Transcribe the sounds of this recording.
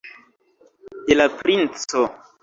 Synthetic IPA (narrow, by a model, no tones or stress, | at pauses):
d̪elapɾint͡so